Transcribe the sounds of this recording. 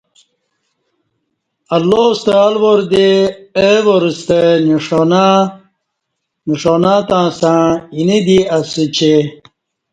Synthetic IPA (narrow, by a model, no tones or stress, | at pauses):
ɐlːost̪alʋoɾd̪eewoɾust̪eniʂona | niʂonãːt̪ãːsãːinid̪iɐsit͡ɕʰe